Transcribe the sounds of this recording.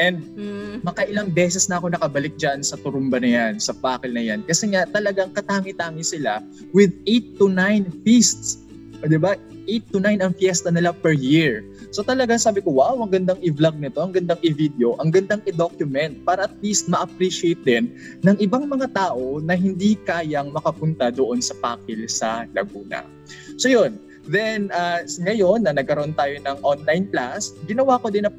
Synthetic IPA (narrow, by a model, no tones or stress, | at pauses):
ʔɛnd̪̚mɐkɐʔɪlɐŋbɛːsɛsnɐʔɐko̞nɐkɐbɐlɪk̚d͡ʒansɐt̪ʊɾʊmbɐnɐjansɐpaːkɪlnɐjankɐsɛŋat̪ɐlɐɡaŋkɐt̪aːŋɪt̪aːŋɪsɪla | wɪd̪ejt̪ːunajnfist̪s | d̪ɪba | ʔejt̪ːʊnajnɐŋfjɛst̪ɐnɪlapɛɹjiɹ | so̞t̪ɐlɐɡaŋsaːbɪko̞wawʔɐŋɡɐnd̪aŋɪvlɐɡ̚nɪt̪o̞ʔɐŋɡɐnd̪aŋʔɪvid̪eo̞ʔɐŋɡɐnd̪aŋʔɪd̪okjʊmɛnt̪̚paːɾɐʔɐt̪̚list̪̚mɐʔɐpɾiʃɪejt̪̚d̪ɛnː | ɐŋʔɪbaŋmɐŋat̪aːʔo̞nɐɦɪnd̪ikaːjɐŋmɐkɐpʊnt̪ɐd̪oʔo̞nsɐpa̰ːkɪlsɐlɐ̰ɡuːnɐ̰ | so̞jon | d̪ɛnaŋɐjo̞nːɐnɐɡ̚kɐɾoʔo̞nt̪aːjo̞nɐŋʔonlajnplasɡɪnɐwaːkod̪ɪnɐ